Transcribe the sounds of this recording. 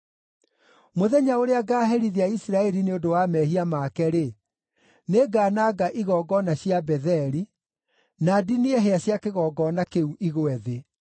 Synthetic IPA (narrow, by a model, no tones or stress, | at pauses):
moðɛɲaoɾeaɡaːɦɛɾiðiaisɾaɛɾineodowaːmɛhiamakɛɾe | neɡaːnaːɡaʔiɣɔːɡɔnaɕjabɛðɛɾi | nadinieɦeaɕjakeɣɔːɡɔnakeuʔiɣwɛðe